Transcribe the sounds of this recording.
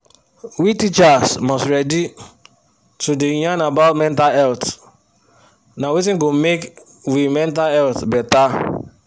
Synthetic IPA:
witit͡ʃasmɔstɹɛdi | tudejanabaʊtmɛ̃ntalɛlt | nawit̬ĩŋɡomek | wimɛ̃ntalɛltbɛta

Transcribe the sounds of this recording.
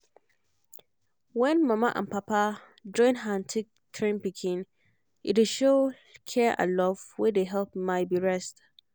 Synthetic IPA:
wɛ̃nmãmãʔã̰npʰapʰa | d͡ʒɔ̃ɪ̃nɦãntʰik̚tʰɹĩnpikʰĩn | ḭdeʃo | kʰɛʔã̰lɔv̥wedeɦɛlp̚maɪbiɹɛst

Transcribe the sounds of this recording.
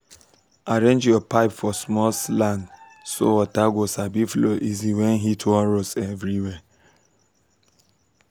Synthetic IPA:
aɾẽnd͡ʒjɔpaɪpfɔsmɔlsland | so̰ɔtaɡosabifloʔiziwen̩ɦitʰɔɾosevɾiwɛ

